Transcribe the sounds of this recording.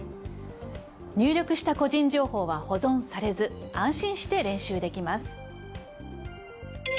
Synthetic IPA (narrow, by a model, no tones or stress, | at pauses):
ɲ̟ʲɨːɾʲo̞kɯ̟ɕi̥t̪ako̞ʑĩɲ̟d͡ʑo̞ːho̞ːβaho̞zõ̞ñsaɾe̞zɨãɰ̃ɕĩɰ̃ɕi̥t̪e̞ɾẽ̞ɰ̃ɕɨːd̪e̞kʲimasɨ̥